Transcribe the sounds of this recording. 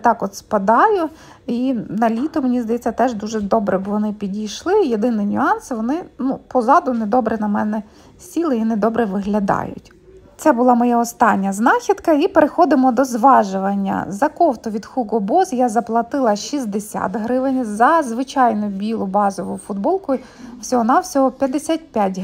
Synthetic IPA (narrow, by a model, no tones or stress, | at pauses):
t̪ɑkɔt̪spɐd̪ɑjʊ | inɐlʲit̪ʊmenʲizd̪ɐjɛt͡sʲːɐt̪ɛʒd̪uʒɛd̪ɔbɾɛbʋɔnɪpʲidʲijʃlˠɪjed̪ɪnɪnʲʊɑnsʋɔnɪnupɔzɑd̪ʊnɛd̪ɔbɾɛnɐmɛnɛ | sʲilˠɪined̪ɔbɾɛʋɪɦlʲɐd̪ɑ̰jʊ̰tʲ | t̪sɛbʊlˠɑmɔjaɔst̪ɑnʲːɐznɑxʲid̪kɐipeɾexɔd̪ɪmɔd̪ɔzʋɑʒʊʋɐnʲːɐ̰zɐkɔwt̪ɔʋʲid̪xuɡɔbɔzjazɐplˠɐt̪ɪlˠɐʃizʲd̪esʲa̰t̪ɦɾɪʋɪnʲzɐzʋɪt͡ʃɑjnʊbʲilˠʊbɑzɔʋʊjʊfʊd̪bɔlˠkʊjʊ | wsʲɔɦɔnɑwsʲɔɦɔpʲjɐd̪esʲat̚ʲpʲjatʲ